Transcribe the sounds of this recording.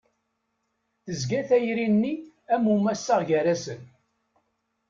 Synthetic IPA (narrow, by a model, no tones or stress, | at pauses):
θəzɡæθæjɾinːi | æmumæsːaʁʝæɾæsən